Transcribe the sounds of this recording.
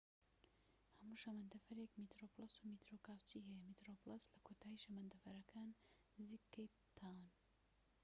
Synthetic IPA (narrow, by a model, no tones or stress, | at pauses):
hɐmuʃɐmɐnd̪ɐfɐɾekmit̪ɾoplˠɐsumit̪ɾokaːwt͡ʃiɦɛjɛmit̪ɾoplˠɐslɐkʰoːt̪ʰaːiʃɐmɐnd̪ɐfɐɾɐkʰaːn | zikːejpt̪ʰawn